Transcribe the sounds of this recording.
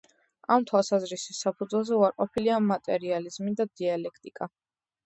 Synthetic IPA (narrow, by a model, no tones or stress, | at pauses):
amt̪ʰwalˠsazɾisisːapʰud̪zwɛlˠzɛuaɾqʼɔpʰiliamat̪ʼɛɾializmid̪ad̪ialɛkʰt̪ʼikʼa